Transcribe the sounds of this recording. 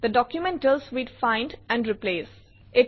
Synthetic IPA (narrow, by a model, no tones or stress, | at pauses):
d̪əɖɔkjʊmɛ̃nʈəlsʋiɖfãɪ̃nɖæ̃ɳɖɾipleːs | ʔɪ